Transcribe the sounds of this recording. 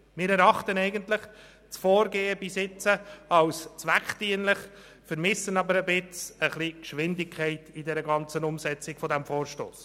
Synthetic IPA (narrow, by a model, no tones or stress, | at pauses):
mɪːɾɛɾɑχtənɛɪɡənt̪lɪχ | t͡sfɔːɾɡeːəbisɪt͡səɑwst͡svækχtiənlɪχ | fəɾmɪsənɑbəɾəbɪt͡səχlikʃʋɪndɪkʰχɛɪtidɛɾəɡɑnt͡sənʊmsɛt͡sɪɡ̥fɔdæmfoːɾʃto̰ːs